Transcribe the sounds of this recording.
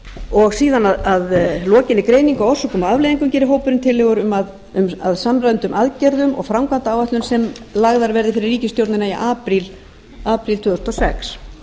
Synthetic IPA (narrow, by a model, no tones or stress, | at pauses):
ɔɣsiːðanaðaðlɔːcɪnːɪkɾeːjniŋkawɔ̥sɔkʰɔmaavlejðiŋkʏmcɛːɾɪɦoːwpʏɾʏmt̪ʰɪlːɛɣʏɾʏmað | ʏmaðsamɾajnt̪ʏmʔaðcɛɾðʏmɔ̰ɣfɾawmkʰvant̪aaːwvaht̪lʏmsɛmlaɣðaɾvɛɾðɪfɪɾɪrːiːcɪst̪jowɾt̪nɪnaiʔaːpɾil | aːpɾilt̪ʰʏːðst̪ɔsɛ̰ks